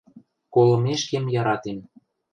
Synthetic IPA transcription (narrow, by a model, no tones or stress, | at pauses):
kolɤ̆meʃkemjɑɾɑt̪em